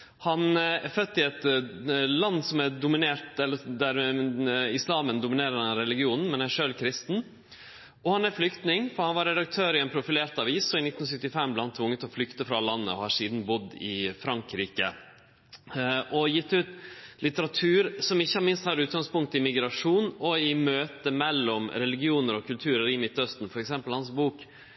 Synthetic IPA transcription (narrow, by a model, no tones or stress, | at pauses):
hɑnæɾfœt̪ːɪɛt̪ | lɑnːsɔmædʊmɪneːɾt̪ɛlːəd̪æɾ | ɪslɑːmənd̪ʊmɪneːɾəɾhɑnɑnɾɛlɪɡɪuːnn̩mɛnæʂøːlkʰɾɪst̪n̩ | ɔhɑnæɾflʏkt̪nɪŋfɔɾhɑnʋɑɾɛd̪ɑk̚t̪ʰøːɾɪɛɪnpʰɾʊfɪleːɾʈ̪ɑʋiːsɔɪnɪt̪n̩sʏt̪ɪfɛmblɛhɑnt̪ʰʋʊŋːət̪ɔflʏkt̪əfɾɑlɑnːə̰ɔ̰hɑɾʂiːd̪n̩bʊd̪ɪ̰fɾɑŋkɾiːkə | ʔɔjɪt̪ːʉːt̪lɪt̪əɾɑt̪ʰʉːɾsɔmɪçːəmɪnst̪hɑɾʉːt̪̚ɡɑŋspʊŋk̚t̪ɪmɪɡɾɑʂuːnɔɪmøːt̪əmɛlːɔmɾɛlɪɡɪuːnəɾɔkʰʉlt̪ʰʉːɾəɾɪmɪt̪ːœst̪n̩fɔɾɛksɛmpəlhɑnsbuːk